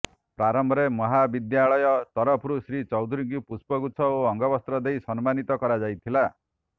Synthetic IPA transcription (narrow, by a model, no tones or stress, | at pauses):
pɾaɾɔmbʱɔɾemɔɦabid̪jaɭɔjɔt̪ɔɾɔpʰɾusɾit͡ʃɔwd̪ʱuɾiŋkipuspɔɡutsʰɔoɔŋɡɔbɔst̪ɾɔd̪ejsɔnmanit̪ɔkɔɾad͡ʒajt̪ʰila